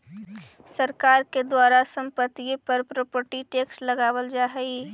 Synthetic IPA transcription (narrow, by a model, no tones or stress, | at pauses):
səɾkaːɾked̪waːɾasə̃mpət̪ipəɾpɾoːpəʈiʈeːksləɡaːwəld͡ʒaːɦɛi